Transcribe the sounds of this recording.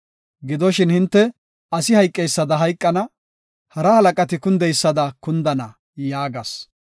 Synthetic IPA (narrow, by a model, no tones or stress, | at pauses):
ɡɪd̪ɔʃɪnhɪnt̪ːɛ | ɐsɪhɐjkʼːɛjsːɐd̪ɐɦɐjkʼːɐnɐ | hɐɾɐhɐlɐkʼɐt̪ɪkʊnd̪ɛjsːɐd̪ɐkʊnd̪ɐnɐ | jaːɡɐs